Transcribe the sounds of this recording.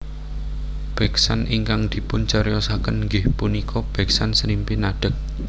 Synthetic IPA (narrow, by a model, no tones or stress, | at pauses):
b̥ɛksanʔiŋkaŋd̪̥i̤pʊnt͡ʃəɾjɔsakənŋɡɪhpunikʰɔb̥ɛ̤ksansɾimpinaɖ̥ə̤k̚